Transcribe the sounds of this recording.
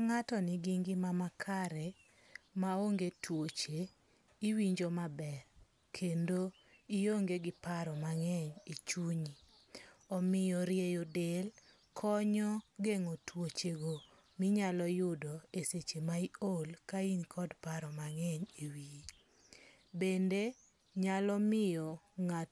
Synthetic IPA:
aŋatɔnɪɡiŋɡimamakʰaɾe | maoŋɡetwot͡ʃe | iwiɲd͡ʒɔmabɛɾ | kʰendo | ijoŋɡeɡɪpaɾɔmaŋɛɲet͡ʃuɲi | ɔmɪjɔɾjejodel | kʰɔɲɔɡeŋɔtwot͡ʃeɡo | mɪɲalɔjʊdɔeset͡ʃemaiolkainkʰɔdpaɾɔmaŋɛɲewiji | bende | ɲalɔmɪjɔŋa

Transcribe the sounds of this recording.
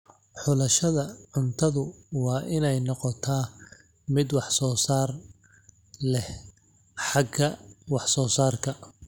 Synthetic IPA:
ħʊlɐʃɐðɐʕʊnt̪ʰɐðʊwɑːʔɪnɛjnɔqɔt̪ʰaː | mɪd̪wɑħsɔːsaːr | lɛh | ħɑɡɐwɑħsɔːsaːrkʰɐ

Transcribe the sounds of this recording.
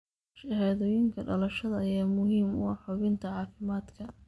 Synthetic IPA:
ʃɐhɛːðɔːjɪŋkʰɐɖɐlɐʃɐðɐɐjaːmʊɦiːmʊ̰ɐħʊβɪnt̪ʰɐʕɑːfɪmaːd̪kʰɐ

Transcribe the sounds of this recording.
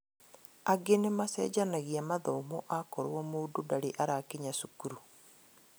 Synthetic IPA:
aɡenemasɛ̰ːd͡ʒanaɣiamaðɔmoʔakɔɾwɔmoːdodaɾeʔaɾakeɲasukuɾu

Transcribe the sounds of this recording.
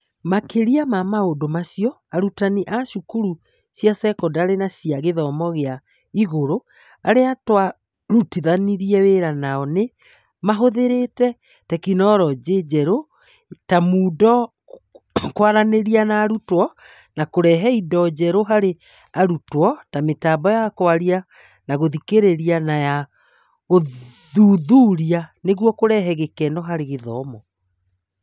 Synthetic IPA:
makeɾiamamaodomaɕiɔ | aɾutaniʔaɕukuɾu | sjasɛkɔdaːɾenaɕiaɣeðɔmɔɣea | iɣoɾo | a̰ɾeatwa | ɾutiðaniɾiɛweɾanaɔne | maɦoðeɾetɛ | tɛkinɔːɾɔd͡ʑed͡ʑɛɾo | tamuːdɔ | kwaɾaneɾianaːɾutwɔ | nakoɾɛɦɛidɔd͡ʑɛɾoɦaɾe | aɾutwɔtametaːbɔjakwaɾia | naɣoðikeɾeɾianaja | ɣo | ðuːðuːɾianeɣwɔkoɾɛɦɛɣekɛːnɔɦaɾeɣeðɔmɔ

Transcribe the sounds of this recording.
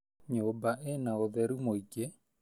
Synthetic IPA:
ɲobaʔenaoðɛɾumoiɡe

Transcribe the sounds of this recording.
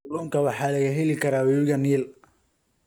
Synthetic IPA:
lɔːŋkʰɐwɑħɑːlɐɣɐɦɛlɪkʰɐɾaːwɛβɪɣɐniːl

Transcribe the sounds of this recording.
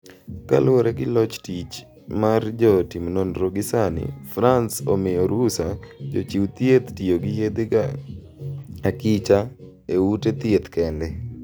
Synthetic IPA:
ka̰lʊoɾɛɡɪlɔt͡ʃtit͡ʃ | mard͡ʒɔtimnonɾoɡɪsanɪ̰fɾansomɪjoɾusad͡ʒot͡ʃiwt̪jet̪tioɡɪjed̪eɡa | akit͡ʃa | eutet̪et̪kɛndɛ

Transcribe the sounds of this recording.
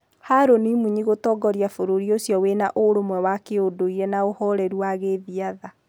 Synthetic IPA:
haɾonimuɲiɣotɔːɡɔɾijafoɾoɾiosjɔwenaʔoɾomwɛwakeodoiɾɛnaohɔɾɛɾuwaɣeðiaða

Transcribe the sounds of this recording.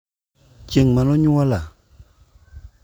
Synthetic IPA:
t͡ʃeŋmanɔ̃ɲũwala

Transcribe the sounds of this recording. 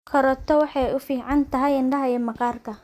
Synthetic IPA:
kʰɔɾɔt̪ʰɔwɑħɑjʊfiːʕɑnt̪ʰɐɦɛjɪɳɖɐɦɐjɛmɑqɑːrkʰɐ

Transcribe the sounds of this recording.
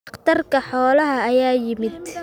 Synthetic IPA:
qt̪ʰɐrkʰɐħɔːlɐɦɐːjaːjɪmɪd̪

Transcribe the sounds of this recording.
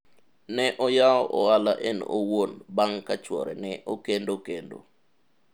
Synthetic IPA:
nɛʔɔjaɔʔɔalaʔɛno̰wonbaŋkat͡ʃwɔ̰ɾɛ̰nɛʔokendokendo̰

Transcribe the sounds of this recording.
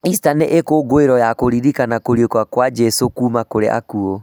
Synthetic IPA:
istaneʔekoɡoeɾɔjakoɾiɾikanakoɾiekwakwad͡ʒɛsokuːmakoɾḛʔa̰kuo

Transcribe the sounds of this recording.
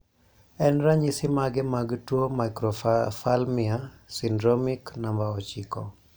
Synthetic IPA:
ɛnɾaɲisɪmaɡɛmaɡtwomajkɾɔfalmiasindɾɔmiknambaɔt͡ʃikɔ̰

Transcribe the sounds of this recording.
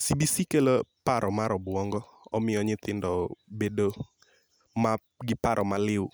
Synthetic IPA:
sibisikelopaɾɔmaɾɔbwɔŋɡɔ | ɔmɪjɔɲɪt̪ɪndɔbedo | ma | ɡɪpaɾʔɔmalɪʊ

